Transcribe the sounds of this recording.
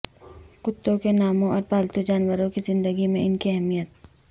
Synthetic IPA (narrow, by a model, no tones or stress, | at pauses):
kʊt̪ːõkenaːmõɔːɾpaːlt̪ud͡ʒaːnwəɾõkizɪ̃nd̪əɡimẽɪnkiɐɦɛmijət̪̚